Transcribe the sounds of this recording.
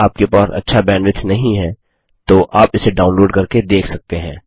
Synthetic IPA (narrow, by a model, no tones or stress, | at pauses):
aːp̚kepaːsɐ̰tːʃʰabɛ̃ːnɖʋɪt̪ʰnɐɦĩɦɛ̃ | t̪oʔaːpɪseɖaːʊnloːɖkɐɾked̪eːkʰsɐk̚t̪eɦɛ̰̃ː